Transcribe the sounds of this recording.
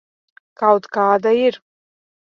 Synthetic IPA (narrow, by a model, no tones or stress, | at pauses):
kawt̪kaːd̪air